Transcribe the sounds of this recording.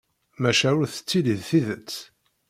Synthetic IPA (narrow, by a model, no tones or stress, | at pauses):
mæʃæʊɾθə̥t͡sːiliðθiðət͡sː